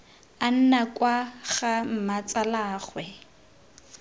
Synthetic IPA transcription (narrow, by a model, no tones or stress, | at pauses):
an̩nakʼwaɣam̩mat͡sʼalaːχwɛ